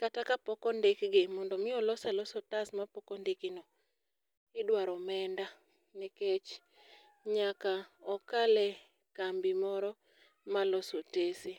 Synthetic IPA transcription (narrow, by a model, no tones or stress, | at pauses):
katakapɔkɔndekɡɪmɔndɔmɪɔlɔsalɔsotasmapɔkɔndekɪnɔ | ɪdwaɾɔmɛnda | neket͡ʃ | ɲakaɔkalɛ | kambɪmɔɾɔ | malɔsotesi